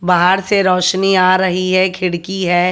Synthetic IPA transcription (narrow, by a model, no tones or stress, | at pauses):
baɦaɾseɾɔːʃniaːɾɐɦiɦɛkʰɪɽkiɦɛː